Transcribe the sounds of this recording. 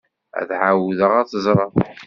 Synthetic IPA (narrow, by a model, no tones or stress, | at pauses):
æ̰ðʕawðəʁæt͡sːəzˤɾˤɑˤ